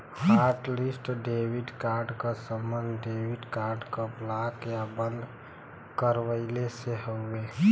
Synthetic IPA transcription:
haɾʈlisʈɖewiɖkaɾɖkasəmːənd̪ɖewiɖkaɾɖkəblakjabənd̪ | kəɾwəɪleseɦəːe

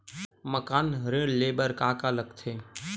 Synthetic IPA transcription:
məkaːnɾẽːɽleːbəɾkaːkaːləkt̪ʰeː

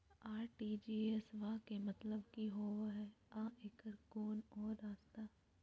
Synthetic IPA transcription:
aːɾʈiːd͡ʒiːesʋakemɐt̪ləbkiɦoːɦɛːãːeːkəɾɡoːnɔːɾːaːst̪a

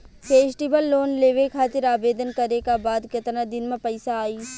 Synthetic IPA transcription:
pʰeːsʈibəlːoːnleːʋekʰaːt̪ɪɾaːbeːd̪ənkɐɾekabaːd̪kɐt̪nad̪ɪnmẽpɐɪsaːiː

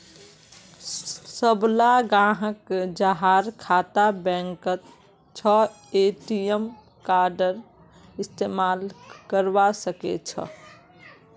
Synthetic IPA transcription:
səblaɡãːɦəkd͡ʒaɦaɾkʰat̪abɛ̃ŋkət̪ | t͡ʃʰə | eʈijəm | kaɾɖəɾ | ɪst̪emaːlkəɾʋasəkḛt͡ʃʰə̰

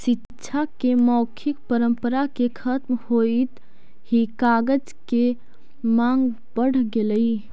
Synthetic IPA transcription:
sɪtːʃʰakemɔːkʰɪkpəɾə̃mpəɾakekʰət̪mhoit̪ | hikaːɡəd͡ʒke | mãŋɡ | bəɽ̤ɡeləi

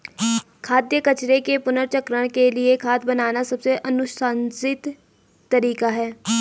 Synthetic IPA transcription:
kʰaːd̪jəkət͡ʃɾekepʊnəɾt͡ʃəkɾəɽ̃kelɪekʰaːt̪ʰbənaːnasɐbseʔənʊʃansɪt̪ː | əɾiːkaɦɛː

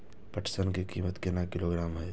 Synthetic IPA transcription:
pəʈʰsənkikiːmət̪kenakɪloːɡɾaːmɦɛː

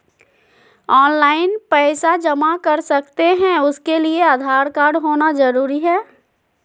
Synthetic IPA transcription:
ɔːnlaːɪnpɛːɪsad͡ʒɐmakɐɾsɐkt̪eɦɛ̃ʊskeliead̪ʱaːɾkaːɾɖɦoːnazɐɾuːɾiɦɛː

